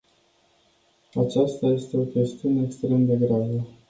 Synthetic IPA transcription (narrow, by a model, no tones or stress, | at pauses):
at͡ʃast̪aje̞st̪e̞o̞kʲe̞st̪iune̞ːkst̪ɾe̞md̪e̞ɡɾavə